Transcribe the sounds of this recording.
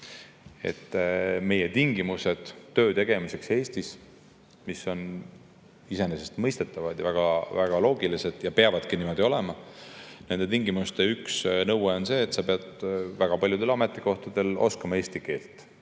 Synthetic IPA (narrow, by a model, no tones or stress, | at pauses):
e̞̰t̪ːˑme̞jet̪iŋɡimuse̞d̪̥ːø̞ːt̪e̞ɡ̥e̞mise̞kse̞ːst̪is | miso̞n | ise̞nesest̪mɤjst̪e̞t̪ːˑɑvɑd̪̥jɑvæɡ̥ɑvæɡ̥ɑlo̞ːɡilise̞d̪̥jɑpeɑvɑd̪̥kinimo̞d̪̥io̞lemɑne̞nd̥̪e̞t̪iŋɡimust̪e̞yksnɤweo̞nse̞ːt̪sɑpeɑd̪væɡ̥ɑpɑljud̪e̞lɑme̞t̪ːˑiko̞ht̪ɑd̪e̞lo̞̰skɑmɑe̞ːsʲt̪ike̞ːlt̪ˑ